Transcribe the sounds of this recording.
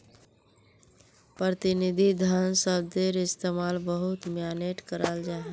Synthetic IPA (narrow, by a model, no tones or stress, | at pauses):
pɾət̪inid̪ʱid̪ʱənsəb̚d̪eɾɪst̪emalbəɦut̪mjaneʈkəɾald͡ʒaɦ